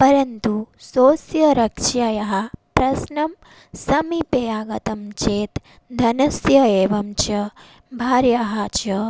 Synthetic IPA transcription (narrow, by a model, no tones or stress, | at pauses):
pɐɾɐnt̪usoːsjɐɾɐkʂajɐɦɐ̆pɾɐsnɐm | sɐmipejaːɡɐt̪ɐmt͡ʃeːt̪ | d̪ʱɐnɐsjɐeːʋɐmt͡ʃɐ | bʱaːɾjɐɦɐt͡ʃɐ